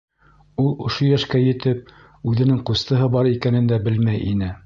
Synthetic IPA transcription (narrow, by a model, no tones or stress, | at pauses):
ulˠŏʃojæʃkæjɘ̆t̪ɘp̚ | ʉðɘ̆nɘŋqust̪ɤ̆ɦɤbɑɾikænɘ̆nd̪æbɘlmæjʔḭnɘ